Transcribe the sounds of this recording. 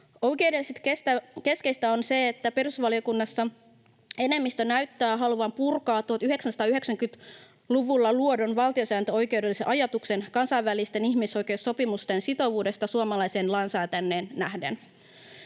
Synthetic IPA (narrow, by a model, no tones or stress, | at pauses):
ojk̟e̞udeliset̪kest̪æke̞skeist̪æo̞nse̞ːt̪ːæperusʋɑliokunːɑsːɑ | e̞ne̞mːist̪ønæyɥt̪ːæːɦɑluʋɑmpurkɑːt̪ːuhɑt̪yɦe̞ksænsɑ̥t̪ɑyɦe̞ksæŋkyt̪ | luʋulːɑluodo̞nʋɑlˠt̪iosæːnt̪øo̞jke̞uwdelːiseʔɑjɑt̪ukse̞nkɑnsɑiʋːælist̪e̞niçmiso̞jk̟e̞usːo̞pimust̪ensit̪o̞ʋuːde̞st̪ɑsuɑmɑlɑjse̞ːnlɑnsæːt̪ænːeːnːæhdḛn